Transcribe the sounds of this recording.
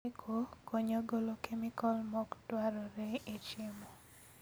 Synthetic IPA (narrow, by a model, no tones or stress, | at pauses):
kʰokoɲoɡolokemikɔlmɔktwaɾɔɾeet͡ʃemo